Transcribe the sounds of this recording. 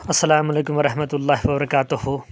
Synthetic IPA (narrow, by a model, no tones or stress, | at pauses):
ɐsːɐlaːmɐleːkʊmʋɐɾɐɦmɐt̪ulːaːɦwɐbɐɾɐkaːt̪uhu